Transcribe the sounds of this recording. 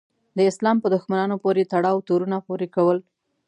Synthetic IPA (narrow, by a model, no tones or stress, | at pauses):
d̪əɪslɑmpəd̪ʊxmanɑnopoɾet̪aɽɑwt̪oɾunapoɾekawəl